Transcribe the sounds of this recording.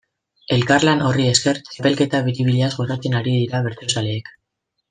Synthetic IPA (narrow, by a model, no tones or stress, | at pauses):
e̞lkarlano̞rie̞ske̞ɾt͡ʃape̞lke̞t̪aβiɾiβiʎeazɣosat͡se̞naɾiðiɾaβe̞ɾt̪eosaleːk